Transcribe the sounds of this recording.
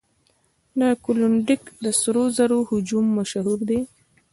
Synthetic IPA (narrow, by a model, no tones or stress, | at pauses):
nakulʊɳɖɪkd̪əsɾozaɾohʊd͡ʒumːaʃaɦuɾd̪e